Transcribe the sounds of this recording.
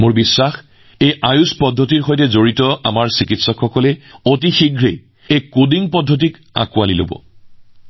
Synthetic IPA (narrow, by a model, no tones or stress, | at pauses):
mʊɹbisːax | ejʔajuspɔdʱːɔtiɹxojtɛzoɹitɔa̰maɹsikitsɔkxɔkɔlɛotixiɡʱɹe | ejkodiŋpɔdʱːot̬ik | a̰kʊalilo̰bɔ̰